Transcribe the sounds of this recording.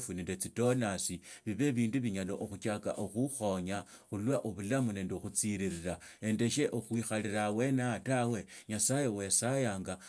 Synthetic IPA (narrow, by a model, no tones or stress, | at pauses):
funindet͡sito̞nasiβiβe̞βiːnduβiɲaloʔoxut͡ʃaka̰ʔoxuxo̞ɲa | xulwaʔoβulamune̞ːndexut͡siɾiɾiɾa | e̞nde̞ʃe̞ʔoxwixaliɾawe̞natawe̞ɲasajewesajaːŋɡa